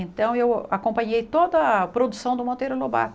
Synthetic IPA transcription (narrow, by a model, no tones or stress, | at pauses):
ẽnt̪ɐ̃w̃ewakõmpɐ̃ɲejt̪od̪ɐpɾod̪usɐ̃w̃d̪ʊmõnt̪ejɾʊloba̰ɾ